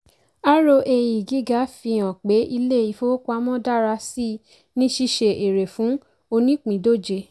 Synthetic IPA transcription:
a˦ɾo˧ʔe˧ji˨ɡi˨˦ɡa˨˦fi˧ã˨k͡pe˨˦i˧le˦˨i˧fo˦kʷa˧mɔ̃˦da˦˨ɾa˧si˦˨ | nĩ˦ʃi˧ʃe˧˨ʔe˨ɾe˨fũ˨˦ | o˧nĩ˦k͡pĩ˨do˦˨d͡ʒe˧

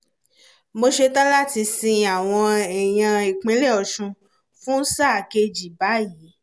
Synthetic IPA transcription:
mo˧ʃe˧tã˦la˦˨ti˧sĩ˧a˨w̃ɔ̃˧ɛ˨j̃ã˧e˨k͡pẽ˨˦lɛ˦˨ɔ˨ʃũ˧ | fũ˦sa˦˨ke˧d͡ʒi˨ba˨˦ji˨˦

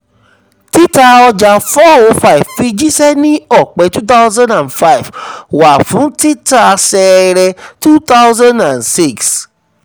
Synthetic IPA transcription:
ti˦ta˧ɔ˧d͡ʒa˧fɔ˦o˧fa˦˨i˨vfi˧d͡ʒi˦sɛ˦nĩ˦ɔ˦˨k͡pɛ˨˧˦tu˦t̪a˦ʊzã˦nã˨nfa˦i˨vwa˨fũ˨˦ti˦ta˦˧sɛ˧ɾɛ˧tu˦t̪a˦wzã˦ndã˨nsi˦˨ks

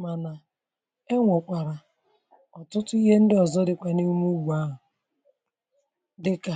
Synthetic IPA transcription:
ma˨na˨ | e˦ŋʷo˨kʷa˨ɾa˨ | ɔ˨tʊ˦tʊ˦i˦ɦe˦n̩˦dɪ˦ɔ˨zɔ˦dɪ˨kʷa˨ni˦mu˦ɡ͡bu˨a˦ɦʊ˨ | dɪ˦ka˨

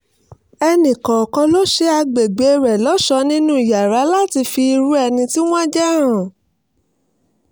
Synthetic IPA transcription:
ɛ˧nĩ˨kã˨ɔ˨kɔ̃˧lo˦ʃe˦a˧ɡ͡be˨ɡ͡be˨e˦˧ɾɛ˨lɔ˨˦ʃɔ˧˦nĩ˦nũ˦i˨ja˨ɾa˨˦la˦ti˧fi˧i˧ɾu˦ɛ˧nĩ˧ti˦w̃ɔ̃˦d͡ʒɛ˦˨ɾ̃ã˨

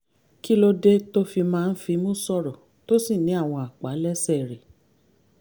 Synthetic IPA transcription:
ki˦lo˧de˦to˦fi˧mãː˦˧n̩˦fi˧mũ˦˨sɔ˦˨ɾɔ˨ | to˦si˦˨nĩ˨˦a˦˨w̃ɔ̃˧a˨k͡pa˨˦lɛ˦sɛ˦˨ɾe˨

